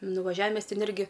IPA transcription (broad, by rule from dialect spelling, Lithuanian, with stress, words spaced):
nʊʋɐˈʒʲæːʋʲɪ ˈmʲɛs ˈtʲɛn ˈɪrʲɡʲɪ